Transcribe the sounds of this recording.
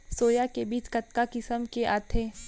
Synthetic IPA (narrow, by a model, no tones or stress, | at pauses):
soːjakebiːt͡ʃkɐt̪̚kakɪsəmkeʔaːt̪ʰeː